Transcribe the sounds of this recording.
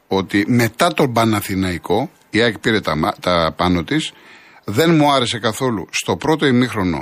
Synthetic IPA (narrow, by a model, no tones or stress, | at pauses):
o̞t̪ime̞t̪ɐt̪o̞mbɐnɐθinɐiko̞ | iɐkpiɾe̞t̪ɐt̪ɐpɐnot̪is | ðe̞nmuɐɾe̞se̞kɐθo̞lṵst̪o̞pɾo̞t̪o̞imixɾo̞no̞̰